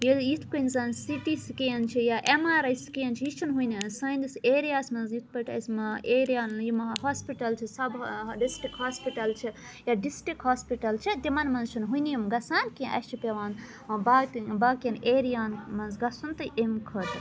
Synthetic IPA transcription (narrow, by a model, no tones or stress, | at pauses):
jijit̪ʰkɐnzɐnsiʈisikijɐnt͡ʃʰijaʔemaːɾɐjskijɐnt͡ʃʰiit͡ʃʰunɦujnisɐj̃nd̪iseːɾijaːsmɐnzjit̪ʰpɐʈɐ̰smɐeɾijaːnjimɐɦaːspiʈɐlt͡ʃʰisɐbɖisʈɾikhaːspiʈɐlt͡ʃʰi | jaɖisʈikɦaːspiʈɐlt͡ʃʰid̪imɐnmɐnzt͡ʃʰunɦunijumɡɐsaːnkiʔɐ̰t͡ʃʰipeʋaːn | babaːkjɐneːɾijaːnmɐnzɡɐsunt̪ɐʔemkʰɐt̪